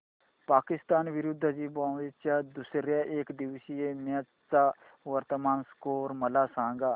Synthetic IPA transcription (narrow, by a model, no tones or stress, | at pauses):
paːkɪst̪aːnʋɪɾʊd̪ʱd͡ʒiːbãːet͡ʃaːd̪ʊsɾjaːʔeːkd̪ɪʋsijeːmã | t͡saː | ʋəɾt̪əmaːnskoːɾməlaːsãːŋɡaː